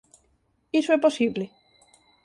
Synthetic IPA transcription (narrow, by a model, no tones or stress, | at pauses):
isweposiβle